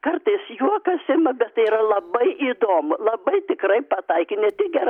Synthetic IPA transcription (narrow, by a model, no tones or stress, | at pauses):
kɐrt̪ɐɪsjuɔkɐsɪmɐbʲɛtt̪ɐɪiːɾɐlˠɐbɐɪʔiːd̪oːmʊlˠɐbɐɪt̪ʲɪkrɐɪpɐt̪ɐɪkʲɪnʲɛt̪ʲɪk̚ɡʲɛɾ